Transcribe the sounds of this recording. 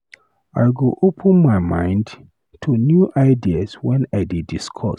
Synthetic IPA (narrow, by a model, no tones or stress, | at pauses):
a̰ɪɡoʔopʰə̃nmaɪmã̰ɪ̃nd | tʰunjuʔaɪdiaswɛ̃naɪdidiskʰɔ̰